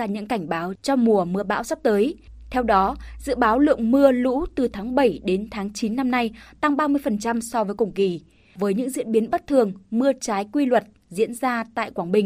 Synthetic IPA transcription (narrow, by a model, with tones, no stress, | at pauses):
aː˧˩ɲɨ̰˧˥ŋka˧˩jŋ̟ɓaː˨˦wt͡ɕɔ˧mu˨˩əmɨ˧əɓa̰ː˧˥wsa˦˥p̚t̪əː˨˦j | t̪ʰɛ˧wɗɔ˨˦zɨ̰˧˨ɓaː˨˦wlɨ̰˧˨əŋmɨ˧əlṵ˧˥t̪ɨ˨˩t̪ʰaː˨˦ŋɓə˧˩jɗe˨˦nt̪ʰaː˨˦ŋt͡ɕi˨˦nːa˧mna˧jt̪a˧ŋɓaː˧mɨ˧əjfə˨˩nt͡ɕa˧msɔ˧vəː˨˦jkʊ˧˩ŋ͡mki˧˩ | vəː˨˦jɲɨ̰˧˥ŋzḭ˧˥ənɓi˨˦ənɓə˦˥t̚t̪ʰɨ˨˩əŋmɨ˧ət͡ɕaː˨˦jkwi˧lwə˨˩t̚ | zḭ˧˥ənzaː˧t̪a̰ː˧˨jkwaː˧˩ŋɓï˨˩ŋ̟